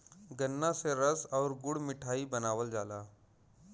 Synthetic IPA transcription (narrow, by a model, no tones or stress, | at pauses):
ɡənːãseɾəsɔːɾɡʊɽ̤mɪʈʰaːibənaːʋəld͡ʒaːlaː